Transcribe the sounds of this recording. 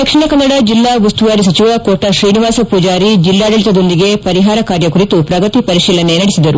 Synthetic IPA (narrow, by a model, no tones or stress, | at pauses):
d̪ɐkʂiɳɐkɐnːɐɽɐd͡ʒilːaːʋɐst̪uʋaːɾis̬ɐt͡ʃiʋɐkoːʈːɐʃɾiːniʋaːsɐpuːd͡ʒaːɾid͡ʒilːaːɖɐɭit̪ɐd̪o̞nd̪iɡe̞pɐɾiɦaːɾɐkaːɾjɐkuɾit̪upɾɐɡɐt̪ipɐɾiʃiːlɐnenɐɽisid̪ɐɾu